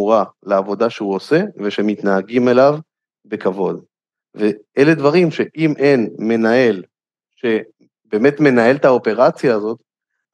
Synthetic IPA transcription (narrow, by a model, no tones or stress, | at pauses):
uʁaleavo̞d̪aʃeuo̞se̞ve̞ʃemit̪naːɡime̞lav | be̞kavo̞d̪ | veele̞d̪vaʁimʃe̞ʔimʔe̞nme̞nae̞l | ʃe̞ | be̞ːme̞t̪me̞nae̞lt̪ao̞pe̞ʁat͡sjaːzo̞t̪